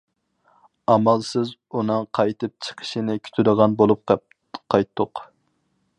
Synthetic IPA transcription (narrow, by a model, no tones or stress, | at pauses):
ɑmɑlˠsɨzunɨŋqʰɑjt̪ɨp̚t͡ʃʰə̥qʰə̥ʃinɪkʲʰy̥t̪ʰyd̪əʁɑnbolˠup̚q | qʰɑjt̪ʰːʊq